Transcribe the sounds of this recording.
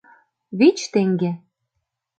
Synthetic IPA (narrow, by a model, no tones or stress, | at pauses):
βit͡ɕt̪eŋɡe